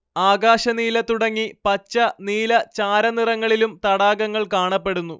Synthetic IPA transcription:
aːɡaːɕɐniːlɐt̪uɽɐŋːipɐt͡ɕːɐniːlɐt͡ɕaːɾɐnirɐŋːɐɭilumt̪ɐɽaːɡɐŋːɐɭkaːɳɐpːe̞ɽunːu

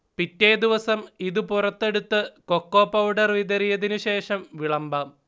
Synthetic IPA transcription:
pitːe̞ːd̪iʋɐsɐmiðupurɐt̪ːe̞ɽut̪ːɨkokːoːpːɐwɖɐrʋid̪ɐrijɐðinuɕe̞ːʂɐmʋiɭɐmbɐ

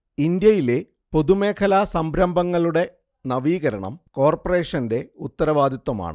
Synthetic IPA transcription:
ind̪jɐjile̞ | po̞ðume̞ːkʰɐlaːsɐmbɾɐmbʱɐŋːɐɭuɽe̞ | nɐʋiːɣɐɾɐɳɐ̰mko̞ːrpɐre̞ːʂɐnde̞ut̪ːɐɾɐʋaːd̪ʱjit̪ːwɐma̰ːɳɨ

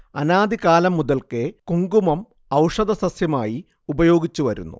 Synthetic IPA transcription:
ɐnaːd̪ikaːlɐmːuðɐlkekuŋɡumɐm | ɐwʂɐðɐsɐsjɐmaːji | ubɐjo̞ːɡit͡ɕːuʋɐɾṵnːṵ

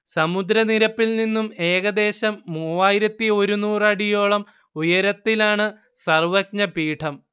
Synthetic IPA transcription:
sɐmud̪ɾɐniɾɐpːilninːume̞ːɣɐd̪e̞ːɕɐmːuːʋaːjiɾɐt̪ːio̞ɾunuːrɐɽijo̞ːɭɐm | ujɐɾɐt̪ːilaːɳɨ | sɐrʋɐk̚ɲɐpiːʈʰɐm

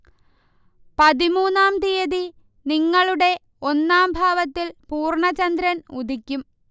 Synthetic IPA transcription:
pɐðimuːnːaːmt̪ijɐði | niŋːɐɭuɽe̞ | o̞nːaːmbʱaːʋɐt̪ːilpuːrɳɐt͡ɕɐnd̪ɾɐnud̪ʱikʲːum

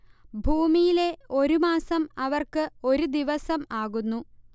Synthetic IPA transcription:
bʱuːmijile̞o̞ɾumaːsɐmɐʋɐrkɨo̞ɾud̪iʋɐsɐmaːɣunːu

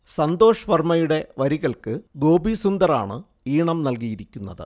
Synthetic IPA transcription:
sɐnd̪o̞ːʂɐʋɐrmɐjuɽe̞ʋɐɾiɣɐɭkɨɡo̞ːbisund̪ɐɾa̰ːɳɨ | iːɳɐmnɐlkijiɾikʲːunːɐðɨ̰

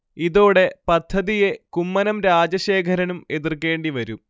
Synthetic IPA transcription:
iðoːɽe̞pɐd̪ʱːɐðije̞kumːɐnɐmɾaːd͡ʑɐɕe̞ːkʰɐɾɐnume̞ðirke̞ːɳɖiʋɐɾum

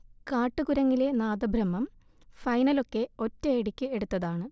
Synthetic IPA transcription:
kaːʈːɨɣuɾɐŋːile̞naːd̪ɐbʱɾɐmːɐm | fɐjnɐlo̞kːe̞o̞tːɐːɽikʲːɨe̞ɽut̪ːɐðaːɳɨ

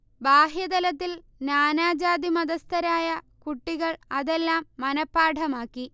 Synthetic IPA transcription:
baːɦjɐd̪ɐlɐt̪ːil | naːnaːd͡ʑaːd̪imɐd̪ɐst̪ɐɾaːjɐkuʈːiɣɐɭɐðelːaːmːɐnɐpːaːʈʰɐmaːkːi

